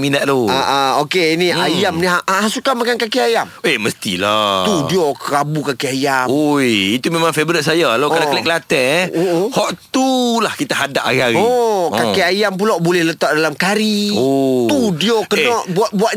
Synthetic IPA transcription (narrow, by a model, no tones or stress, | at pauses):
minaʔ̚loaʔaokeiniajamniɦaʔaɦasukamakankakiajameməst̪ḭlat̪udioɾabukakiajamojit̪umemãŋfebɾit̪̚sajalokalakəlɛʔkəlat̪ɛʔoʔhɔʔt̪ulahkit̪aɦadaʔaɣiaɣiokakiajamp̬ulawbolɛhlət̪aʔ̚dalamkaɾiot̪udiokənɔʔbuaʔ̪̚buaʔ̪